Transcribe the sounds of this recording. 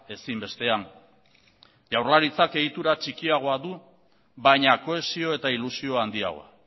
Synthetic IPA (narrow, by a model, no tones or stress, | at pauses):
e̞simbe̞st̪e̞aŋ | ʝawɾlaɾit͡sake̞ɣit̪uɾat͡ʃikiaɣ̞o̞aðu | βajɲako̞e̞sio̞e̞t̪ailusio̞and̪ia̰ɣo̞̰a̰